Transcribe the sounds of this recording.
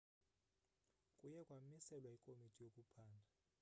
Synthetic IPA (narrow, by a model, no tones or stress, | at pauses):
kʼujɛkʼwamisɛlwaikʼomitʰʼijokʼupʰaːndʱa